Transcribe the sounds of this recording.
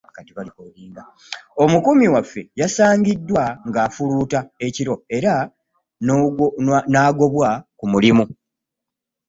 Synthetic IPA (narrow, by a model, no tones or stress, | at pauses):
katiβalikoliːŋɡa | o̞mukumiwafːe̞jasaːɲɟidːwaŋɡaːfuluːtae̞ciɾo̞e̞ɾa | naːɡo̞βwakumulimu